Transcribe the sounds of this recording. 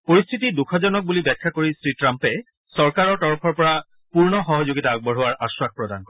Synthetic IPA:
poɹist̪ʰitidukʰɔzɔnɔk̚bulibɛkʰːakoɹisɹitɹampɛ | sɔɹkaɹɔɹtɔɹɔpʰɔɹpɔɹa | puɹnɔxɔɦɔzoɡitaːɡ̚bɔɹɦʊwaɹʔaswak̚pɹɔdankɔ

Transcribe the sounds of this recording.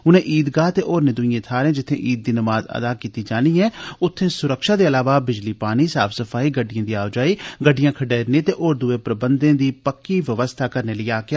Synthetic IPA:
ʊnẽːʔiːd̪ɡaːt̪eʔoɔːɾnɪd̪ʊĩẽːt̪ʰaːɾẽːd͡ʒɪt̪ʰːḛ̃ːʔiːd̪̚ːiːnəmaːzə̰d̪aːkiːt̪iːd͡ʒaːniːɦɛ̃ːʊt̪ʰːẽːsʊɾəkʃaːd̪eːəlaːʋaːbɪd͡ʒliːpaːñiːsa̰ːfʰsəfʰaːiːɡəɖːɪijãːd̪iːaːʋd͡ʒaːiːɡəɖːɪjãːkʰəɖeːɾnẽːt̪eːʔoːɾd̪ʊeːpɾəbənd̪ẽːd̪iːpəkːiːʋəʋəst̪ʰaːkəɾneːləiaːke

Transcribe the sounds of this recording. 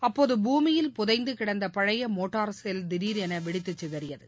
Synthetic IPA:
ɐpːoːðɯbuːmɪjɪlpʊðɐɪnd̪ɯkɪɽɐnd̪ɐpɐɻɐjɐmoːʈːaːɾsɛld̪ɪɾiːɾɛnɐʋɪɽɪt̪ːɯt͡ʃːɯðɐɾɪjɐðɯ

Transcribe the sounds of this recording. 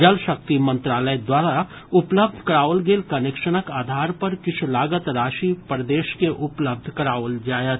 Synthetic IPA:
d͡ʒɐlʃək̚t̪imə̃nt̪ɾaːləed̪waːɾa | ʊpləb̚d̪ʱkɾaːʋəlɡeːlkɐnekʃəñəkaːd̪ʱaːɾpɐɾkɪt͡ʃʰulaːɡət̪ɾaːʃipɾəd̪eːʃkeʔʊpləb̚d̪ʱkəɾaːʋəld͡ʒaːjə

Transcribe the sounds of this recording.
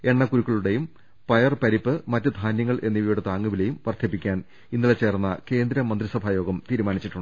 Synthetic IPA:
e̞ɳːɐkuɾukːɐɭuɽe̞jum | pɐjɐrpɐɾipːɨmɐtːɨd̪ʱaːnjɐŋːɐɭʔe̞nːiʋjuɽet̪aːŋːuʋile̞jumʋɐrt̪ʰɐpːikʲːaːn | inːuɭet͡ɕe̞ːrnːɐke̞ːnd̪ɾɐmːɐnd̪risɐbʱaːjo̞ːɡɐmt̪iːɾumaːnit͡ɕːiʈːuɳɖɨ

